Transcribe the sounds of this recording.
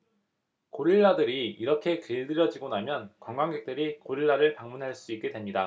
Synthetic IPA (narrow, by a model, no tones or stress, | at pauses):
koɾiɭːadɯɾiːɾʌkʰe̞kɯɭdɯɾjʌd͡ʑiɡonamjʌnkwʌŋɡwaŋɡek̚t͈ɯɾikoɾiɭːaɾɯɭpaŋmunɦaɭs͈uik͈̚e̞dwe̞mɲida